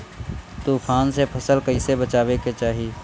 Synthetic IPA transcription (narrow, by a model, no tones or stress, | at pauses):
t̪uːpʰaːnsepʰəsəlkəɪsebət͡ʃaːʋeket͡ʃaːɦie